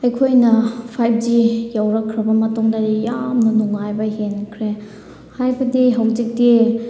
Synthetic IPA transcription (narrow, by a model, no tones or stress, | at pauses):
ɐjkʰojnɐpʰajb̚d͡ʒijawɾɐkʰːɾɐbɐmɐtuŋdaɾijamnunuŋajbɐhenkʰɾe | hajbɐdiɦɐwd͡ʒik̚ti